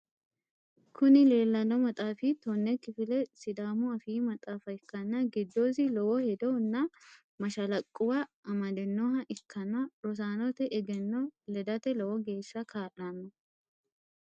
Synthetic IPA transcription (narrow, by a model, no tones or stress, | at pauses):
kʊnɪleːlːɐnɔmɐt̪ʼaːfɪt̪onːɛkɪfɪlɛsɪd̪aːmuɐfiːmɐt̪ʼaːfɐɪkːɐnːɐɡɪd̪ːoːs̬ɪlɔwɔhɛd̪ɔnːɐ | mɐʃɐlɐkʼːʊwɐɐmɐd̪ɛnːoːɦɐʔɪkʰːɐnːɐɾɔs̬aːnɔt̪ɛʔɛɡɛnːɔlɛd̪ɐt̪ɛlɔwɔɡe̞ːsːɐkʰaːʔɐnːɐ